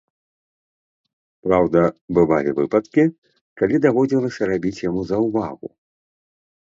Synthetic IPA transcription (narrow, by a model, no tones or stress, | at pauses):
pɾawd̪ɐbɨva̰lʲḭvɨ̰pɐt̪kʲi | kalʲid̪avɔd͡zʲilˠɐsʲɐɾabʲit͡sʲjamuzɐwvaɣṵ